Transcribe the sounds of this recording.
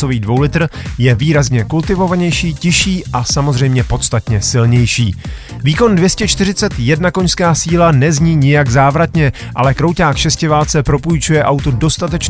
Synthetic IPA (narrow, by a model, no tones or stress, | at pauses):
oviːdvo̞wlɪt̪r̩jɛviːɾazɲɛkult̪ɪvo̞vaɲɛjʃiːcɪʃiːʔasamo̞zr̝ɛjmɲɛpo̞t̪st̪at̪ɲɛsɪlɲɛjʃiː | viːko̞ndvjɛscɛt͡ʃt̪ɪɾ̝ɪt͡sɛt̪jɛdnako̞ɲskaːsiːlanɛzɲiːɲɪjaɡzaːvɾat̪ɲɛ | ʔalɛkɾowcaːkʃɛscɪvaːlt͡sɛpɾo̞pujt͡ʃujɛʔawt̪udo̞st̪at̪ɛt͡ʃ